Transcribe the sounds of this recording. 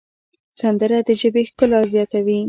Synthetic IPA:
sand̪əɾad̪əʒəbexkəlazjɑt̪awi

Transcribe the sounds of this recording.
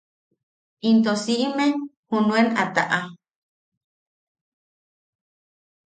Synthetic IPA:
int̪osiʔimehunuenat̪a̰ʔa

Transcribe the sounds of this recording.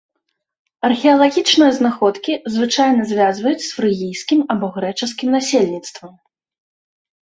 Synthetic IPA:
ɐrxʲɛɐlˠaɣʲit͡ʂnɨjɐznaxɔt̪kʲizvɨt͡ʂajnɐzʲvʲazvɐjut͡sʲsfɾɨɣʲijskʲimɐbɔɣɾɛt͡ʂɨs̬kʲimnasʲelʲnʲit̪st̪vɐm

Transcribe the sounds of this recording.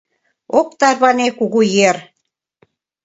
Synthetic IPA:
okt̪ɑrβɑnekuɣujer

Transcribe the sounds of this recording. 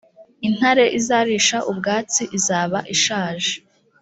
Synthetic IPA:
in̥haɾe̞ʔizaːɾiːʃaʔub̚ɡaːt͡siʔizaːβaʔiʃaːʒe

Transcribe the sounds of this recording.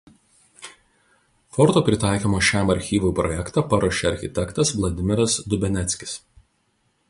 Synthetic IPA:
fɔɾt̪oːpʲɾʲɪt̪ɑˑɪkʲoːmoːʃʲæmɐɾʲxʲiːʋʊpɾɔ̰jɛkt̪ɑpɐɾoːʃʲeɐɾʲxʲɪt̪ʲɛkt̪ɐsʋlˠɐd̪ʲɪmʲɪɾɐsd̪ʊbʲɛnʲɛt̪sʲkʲɪ̥s

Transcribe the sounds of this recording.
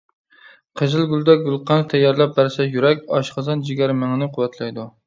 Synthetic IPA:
qʰəzɪlˠɡʲylˠd̪ɛɡʲulˠqʰɑnt̪ʰɛjːɑɾlˠɛp̚bæɾsɛjyɾɛkʲɑʃqɑzɑnd͡ʒɪɡʲæɾmæŋnɪqʰʊwɛt̪ʰlɛjd̪u

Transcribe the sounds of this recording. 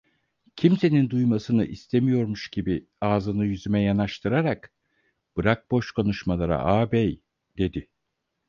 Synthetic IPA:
cʰimse̞nind̪ujmasɯnɯʔist̪ʰe̞mijo̞ɾmuʃɟ̥ibi | aːzɯnɯjyzymɛjanaʃt̪ʰɯɾaɾak | b̥ɯɾak̚bo̞ʃko̞nuʃmalˠaɾa̰ʔaːbɛj | d̪̥e̞d̪ɪ

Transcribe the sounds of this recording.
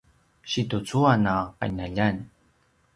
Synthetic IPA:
ɕitut͡suanaqa̰naʎan

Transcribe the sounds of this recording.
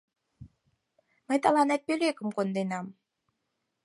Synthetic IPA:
məjt̪ɑlɑnæt̪̚pølekə̆mkond̪enɑm

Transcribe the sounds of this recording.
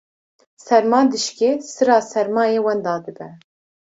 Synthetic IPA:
sɛɾmɑːnd̪ɨʃkeːsɨɾɑːsɛɾmɑːjeːwɛnd̪ɑːd̪ɨbɛ

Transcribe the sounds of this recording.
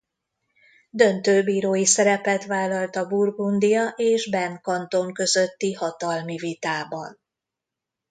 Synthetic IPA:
d̪ø̞nt̪øːbiːɾoːjisɛɾɛpɛt̪ʋaːlːɒlt̪ɒburɡund̪ijɒʔeːʒbɛnkɒnt̪o̞ŋkø̞zø̞t̪ːihɒt̪ɒlmivit̪aːbɒ̰n

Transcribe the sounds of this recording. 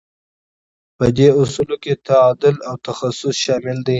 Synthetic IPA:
pəd̪eʊsuloket̪aɑd̪ʊlawt̪axasʊsʃɑmɪld̪i

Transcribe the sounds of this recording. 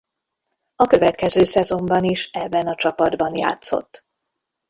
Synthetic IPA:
ɒkø̞vɛt̪kɛzøːsɛzo̞mbɒniʃɛbːɛnɒt͡ʃɒpɒd̪bɒnja̰ːt̪so̞̰t̪ː

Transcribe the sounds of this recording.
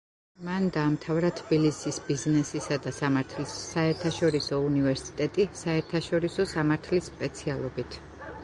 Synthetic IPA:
mand̪aːmt̪ʰavɾat̪ʰbilisisbiznɛsisad̪asamaɾt̪ʰliaɛɾt̪ʰaʃɔɾisɔunivɛɾsi̥t̪ʼɛt̪ʼisaɛɾt̪ʰaʃɔɾisɔsamaɾt̪ʰlispʼɛt̪sʰialˠɔbit̪ʰ

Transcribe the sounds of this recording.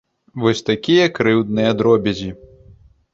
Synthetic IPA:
vɔsʲt̪akʲijɐkɾɨwd̪nɨjɐd̪ɾɔbʲɛzʲi

